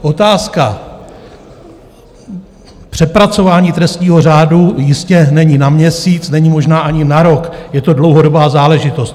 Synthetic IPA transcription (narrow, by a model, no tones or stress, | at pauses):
ʔo̞t̪aːska | pr̝̥ɛpɾat͡so̞vaːɲiːt̪ɾɛst̪ɲiːɦo̞r̝aːdujɪscɛnɛɲinamɲɛsiːt͡snɛɲimo̞ʒnaːʔaɲɪnaɾo̞kjɛt̪o̞dlo̞wɦodobaːzaːlɛʒɪt̪o̞st̪